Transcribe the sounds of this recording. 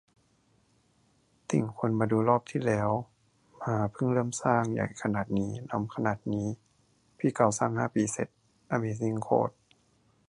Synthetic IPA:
t̪i˨˩ŋkʰu˧ənbaː˧duː˧lɔː˥˩p̚t̪ʰiː˧˥˩lɛː˦˥w | maː˧pʰɯ˥˩ŋlɤː˥˩msaː˧˩ŋja̰˨˩jkʰa˧naː˨˩t̪̚niː˦˥na˧˥˨mkʰa˧naː˨˩t̪̚niː˦˥ | pʰiː˧˩˨ka˧˩wsa˧˩˨ŋhaː˧˥˩piː˨˧˦se˨˩˦t̪̚ | ʔa˧˩miː˧˦si˧˩˨ŋkʰo̰ː˧˩t̪̚

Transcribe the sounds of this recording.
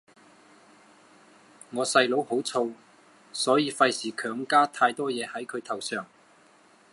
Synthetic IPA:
ŋɔː˨˧sɐ˧jlo˨˥who˨˥wt͡sʰo˧w | sɔː˨˥jiː˧fɐ˧jsiː˨˩kʰœː˨˥ŋkaː˥t̪ʰaː˧jt̪ɔː˥jɛː˨˧hɐ˨˥jkʰɵ˨˧ɥt̪ʰɐ˨˩wsœː˨˩ŋ

